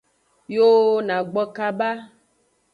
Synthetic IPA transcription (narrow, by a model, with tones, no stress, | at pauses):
jo˦nã˨ɡ͡bɔ˦ka˦ba˦